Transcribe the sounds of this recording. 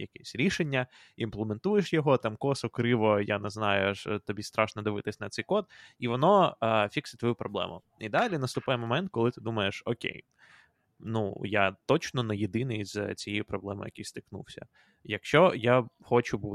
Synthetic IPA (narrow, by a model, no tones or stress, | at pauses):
jɐkɛsʲɾʲiʃenʲːɐ | implˠement̪ujeʃjɔɦɔt̪ɑmkɔsɔkɾɪʋɔjanɛznɑjʊʃt̪ɔbʲist̪ɾɑʃnɔd̪ɪʋɪt̪ɪsʲnɐt̪sɛjkɔt̪̚iʋɔnɔfʲiksɪt̪ʋɔjupɾɔblˠɛ̰mʊ̰ | id̪ɑlʲinɐst̪ʊpɑjɛmɔmɛnt̪̚kɔlˠɪt̪ɪd̪umɐjeʃɔkʲḛj | nujat̪ɔt͡ʃnɔnɐjed̪ɪnɪjzt͡sʲijɛjipɾɔblˠɛmɪ̰jɐ̰kʲijst̪ɪknṵwsʲɐ̰ | jɐkʃt͡ʃɔjaxɔt͡ʃʊb